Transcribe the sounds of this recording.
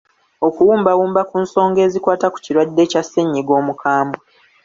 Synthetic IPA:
o̞kuwuːmbawuːmbakunso̞ːŋɡe̞ːzikwaːtaku̥ciɾwadːe̞ːcasːeɲːiɡo̞ːmukʰaːmbwe

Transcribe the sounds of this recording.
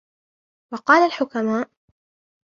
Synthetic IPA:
wɑqɑːlalħʊkamaːʔ

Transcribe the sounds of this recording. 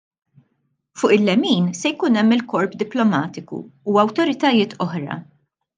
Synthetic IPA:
fʊːʔɪlːɛmiːnsɛjkuːnɛmːɪlkɔɾpd̪ɪplɔmɐːt̪ɪkṵːɐwt̪ɔɾɪt̪ɐjɪːt̪ʰɔħɾɐ̰

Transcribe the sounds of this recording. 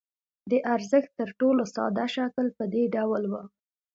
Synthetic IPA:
d̪əʔaɾzəxt̪ːəɾʈolosɑ̰d̪aʃakəlpəd̪eɖawlwə

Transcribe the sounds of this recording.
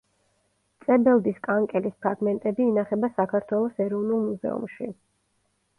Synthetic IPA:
t̪sʼɛbɛlˠd̪iskʼaŋkʼɛlispʰɾaɡmɛnt̪ʼɛbiːnaχɛbasakʰaɾt̪ʰwɛlˠɔsɛɾɔvnulˠmuzɛ̰ṵmʃḭ

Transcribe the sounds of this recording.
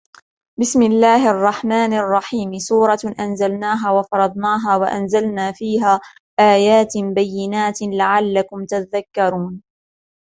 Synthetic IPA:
bɪsmɪlːaːhʔɑrˤːɑħmaːnɑrˤːɑħiːmsuːɾˤɑʔanzalnaːɦaːwɑfɑɾˤɑd̪ˤnɑːɦaːwaʔanzalnaːfiːɦaː | ʔaːjaːt̪bajːɪnaːt̪laʕalːakʊmt̪at̪aðakːɑɾˤuːn

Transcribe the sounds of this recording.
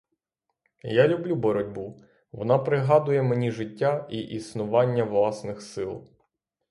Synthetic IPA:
jalʲʊblʲubɔɾɔdʲbu | ʋɔ̰nɑpɾɪɦɑd̪ʊjɛmenʲiʒɪtʲːaiʔisnʊʋɑnʲːɐʋlˠɑsnɪxsɪlˠ

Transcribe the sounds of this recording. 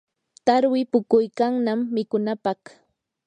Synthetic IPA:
t̪aɾwɪpʊkʊjkaŋnamːɪkʊnapɑχ

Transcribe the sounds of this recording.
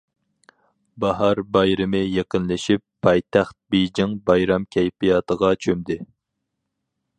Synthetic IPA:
bɑɦɑɾbɑjɾɨmɨjeqənlɪʃipʰːɑjt̪ʰæχt̪̚bejd͡ʒɪŋbɑjɾɑmkʲʰɛjpijɑt̪ʰəʁɑt͡ʃʰømd̪ɪ

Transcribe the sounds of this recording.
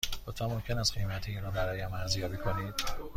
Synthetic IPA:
lot̪vænmo̞mcʰe̞næst̪ɡejmæt̪ʰeinɾɔːbæɾɒːjæmæɾzjɒːbiːkʰo̞niːd̪̥

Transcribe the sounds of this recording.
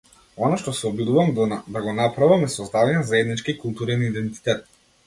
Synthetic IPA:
ɔnaʃt̪ɔsɛɔbid̪uvamd̪aɡɔnapɾavamɛsɔzd̪avaɲɛnazaɛd̪nit͡ʃkikulˠt̪uɾɛnid̪ɛnt̪i̥t̪ɛt̪̚

